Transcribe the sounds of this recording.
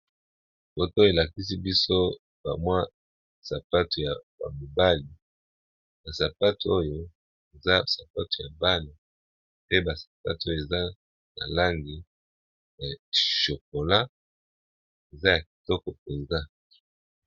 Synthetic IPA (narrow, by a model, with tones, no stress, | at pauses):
bo˨to˦je˨la˨ki˦si˦bi˦so˦ | b̥a˨mwa˦ | sa˨pa˦tu˨ja˨ba̰˨mo˨ba˦li˨ | ba˨sa˨pa˦tu˨o˦jo˦ | e˨za˦sa˨pa˦tu˨ja˨ba˦ni˨ | pe˦ba˨sḁ˨pa˦to˦jo˦˨e˨za˦ | na̰˨la˦ŋɡi˨ | ja˨ʃo˨k̚o˨la˦ | e˨za˦ja˨ki̥˨tɔ˦kɔ˨e˨za˦